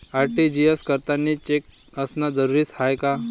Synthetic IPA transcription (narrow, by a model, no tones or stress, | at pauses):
aɾʈid͡ʑijəskəɾt̪anːit͡ɕek̚ | əsnad͡zəɾuɾiːshajka